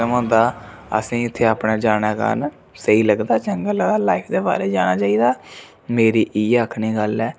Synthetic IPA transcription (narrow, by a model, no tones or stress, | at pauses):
əmɦõːnd̪aːə̰sĩːʊt̪ʰːeːaːpɽaːd͡ʒaːɽ̃aːka̰ːn | səiːləɡd̪aːt͡ʃəŋɡəlaːd̪aːlaːipʰd̪eːba̰ːɾeːd͡ʒaːñaːt͡ʃaːiːd̪aː | meːɾiːʔiːəkʰniːɡəlɛː